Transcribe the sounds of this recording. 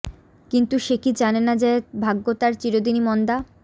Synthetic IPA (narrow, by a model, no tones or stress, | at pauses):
kint̪uʃekid͡ʑanenad͡ʑebʱaɡːot̪aɾt͡ɕiɾod̪inimɔnd̪a